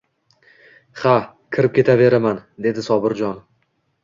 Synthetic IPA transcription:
χa | kʲʰɪɾɪp̚kʲʰe̞t̪ʰave̞ɾamand̪e̞d̪ɪsɒbɪɾd͡ʒɒn

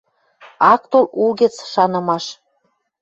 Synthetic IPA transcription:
ɑk̚t̪olulɣĕt͡sʃɑnɤ̆mɑʃ

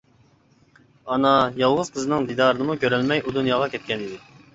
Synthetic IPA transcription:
ɑnɑjɑlˠʁʊz̥qʰəzɨnɨŋd̪id̪ɑɾɨnɨmukʲʰøɾɛlmɛjʔud̪unjɑʁɑkʲʰɛt̪̚kʲɛnid̪ɪ

